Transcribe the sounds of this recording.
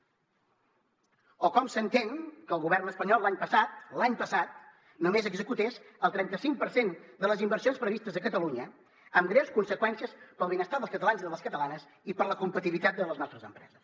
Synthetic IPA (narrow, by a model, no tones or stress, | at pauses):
ɔkɔmsənt̪eŋkəlˠɣuβ̞ɛrnəspəɲɔlːaɲpəsat̪̚laɲpəsat̪ | numezəɡzəkut̪es | əlˠt̪ɾɛnt̪əsiŋk̚pəɾsend̪ələzimbərsionspɾəβist̪əzəkət̪əluɲə | əmɡɾɛwskunsəkwɛnsiəspəlˠβenəst̪aðəlˠskət̪əlanziðələskət̪əlanəs | ipələkumpət̪iβit̪at̪̚d̪ələznɔst̪ɾəzəmpɾɛ̰zəs